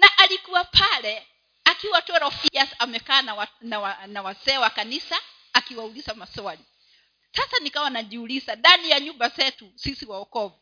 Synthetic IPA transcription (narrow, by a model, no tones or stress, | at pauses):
naʔalikuwapʰalɛ | akiwatɔɾɔfiasamɛkaːnawnawanawazɛːwakanisaː | kiwaulizamasɔali | sasanikawanaʄiulizaɗanijaɲumbazɛtusisiwaɔkɔvu